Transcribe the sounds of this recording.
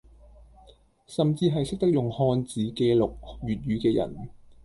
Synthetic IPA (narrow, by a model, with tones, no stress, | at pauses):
sɐ˨mt͡siː˧ɦɐ˨jsɪ˥k̚t̪ɐ˥k̚jʊ˨ŋhɔː˧nt͡siː˨˥keː˧lʊ˨k̚jyː˨t̚ɥyː˨˧kɛː˧jɐ̰˨˩n